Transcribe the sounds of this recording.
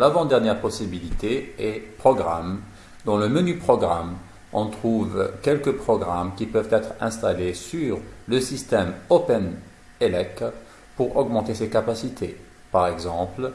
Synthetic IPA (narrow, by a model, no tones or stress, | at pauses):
lavɑ̃d̪ɛʁnjɛʁpɔsibilit̪eɛpχɔɡʁa̰m | d̪ɔ̃ləmənypχɔɡʁam | ɑ̃t̪χuvkʲɛlkəpχɔɡʁamkʲipœvt̪ɛt̪χɛ̰̃st̪alesyʁləsist̪ɛmopɛn | elɛk | puʁɔɡmɑ̃t̪esekapasit̪ʰe | paʁɛɡzɑ̃pl